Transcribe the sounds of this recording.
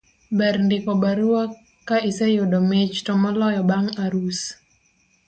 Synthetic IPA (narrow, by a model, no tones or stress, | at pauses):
bɛɾndikɔbaɾua | kaisɛjodɔmet͡ʃtɔmɔlɔjɔbaŋaɾus